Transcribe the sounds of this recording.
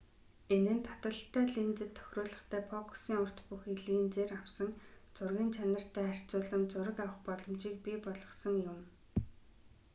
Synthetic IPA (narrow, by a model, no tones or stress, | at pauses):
enɘ̆nt̪ʰḁt̪ə̆ɬt̪ʰːæːɮint͡sɘ̆t̪ʰːœ̥xʲrʊːɮə̆χt̪ʰæːpʰɔkʰsiːŋʊr̥t̪puxiɮɣiːnt͡seːrawsə̆ŋt͡sʊrɣʲĭnt͡ɕʰanə̆r̥t̪ʰæːær̥ʲt͡sʊːɮə̆mt͡sʊɾə̆kawə̆χpɔɮɞ̆mt͡ɕiːk̚pʲiːpɔɮʁɞ̆sə̆ŋjʊm